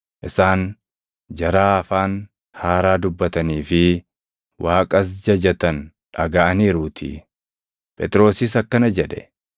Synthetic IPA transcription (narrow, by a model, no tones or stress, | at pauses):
ʔɪsaːn | d͡ʒɐɾaːɐfaːn | haːɾaːd̪ʊbːɐt̪ɐniːfɪ | waːkʼɐs̬d͡ʒɐd͡ʒɐt̪ɐn | ᶑɐɡɐʔɐniːɾuːt̪ʰɪ̰ | pʼɛt̪ʼɾo̞ːsɪsɐkːɐnɐd͡ʒɛᶑɛ